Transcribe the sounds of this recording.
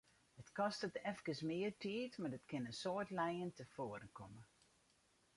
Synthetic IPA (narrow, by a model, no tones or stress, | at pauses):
ətkɔstətɛfkəsmɪːərtʰiətmadətkɪnənsoətlɛjəntəfoːəɾənkʰɔmə